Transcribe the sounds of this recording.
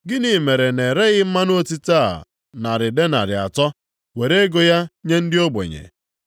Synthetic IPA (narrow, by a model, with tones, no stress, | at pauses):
ɡɪ˦ni˨me˨ɾe˨ne˨ɾe˦ɣɪ˦m̩˦ma˦n˦o˦ti˦ta˦˨ | na˨ɾɪ˨de˦na̰˨ɾɪ˨a̰˨tɔ˦ | we˨ɾe˦e˦ɡo˨ja˦ɲe˦n̩˦dɪ˦o˦bḛ˨ɲḛ˨